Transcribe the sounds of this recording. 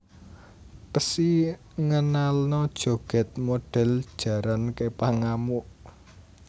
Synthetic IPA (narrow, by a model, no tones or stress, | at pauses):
pəsi | ŋənalnɔd̥ʒ̥o̤ɡ̥ɛ̤t̪̚moɖ̥ɛ̤ld̥ʒ̥ä̤ɾankepaŋamuʔ